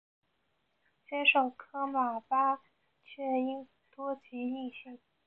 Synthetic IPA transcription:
t͡ɕjɛ˥ʂo˥˩ʊkʰɤ˥ma˨˩pa˥ | t͡ɕʰɥɛ˥˩i˥ŋ | t̪wɔ˥t͡ɕʰi˧˥i˥˧ɕi˥˩ŋ

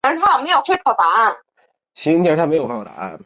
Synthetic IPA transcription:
a˧˥˨me˧˥jo˨˩tʰe˥kʰɑ˨˩ʊt̪a˧˥a˥˩n | t͡ɕʰi˧˥jɛ˧˥t̪ʰm˧˥ɪjo˨˩ʊkʰɑ˨˩ʊt̪a̰˨˩˦a̰˥˩n

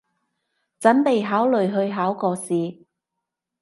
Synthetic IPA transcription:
t͡sɐ˨˥npe˨jɦaː˨˥wlɵ˨ɥɦɵ˧ɥɦaː˨˥wkɔː˧siː˨

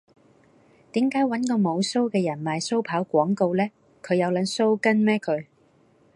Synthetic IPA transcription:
t̪iː˨˥mkaː˨˥jwɐ˨˥nkɔː˧mo˨˧wso˥wkɛː˧jɐ˨˩nmaː˨jso˥wpʰaː˨˥wkʷɔː˨˥ŋko˧wlɛː˥ | kʰɵ˨˧ɥjɐ˨˧wlɐ˨˧nso˥wkɐ˥nmɛː˥kʰɵ˨˧ɥ

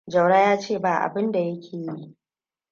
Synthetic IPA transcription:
d͡ʒɐ˨wɽa˦jaː˦t͡ʃeː˦˨baː˨ʔa̰˨bɪ˦nda˨jɐ˦kʲʰeː˨ji˦ʔ

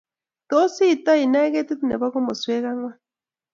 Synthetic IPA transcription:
t̪o˦si˦˨t̪a˦i˨na˦ɣe˦t̪i˦t̪u˦nḛ˨βa˦ko˦mo˨swe˦ɣa˦ŋwa˦

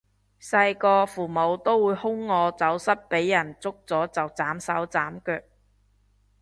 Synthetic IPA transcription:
sɐ˧jkɔː˧fuː˨˩mo˨˧wt̪o˥wwuː˨˧jhʊ˥ŋːɔː˨˧t͡sɐ˨˥wsɐ˥t̚pe˨˥jːɐ˨˩nt͡sʊ˥k̚t͡sɔː˨˥t͡sɐ˨wt͡saː˨˥msɐ˨˥wt͡saː˨˥mkœː˧k̚

